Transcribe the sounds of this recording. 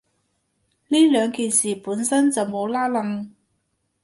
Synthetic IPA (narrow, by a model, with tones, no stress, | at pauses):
liː˥lœː˨˧ŋkiː˨nsiː˨puː˨˥nsɐ˥nt͡sɐ˨wmo˨˧wlaː˥lɐ˨˧ŋ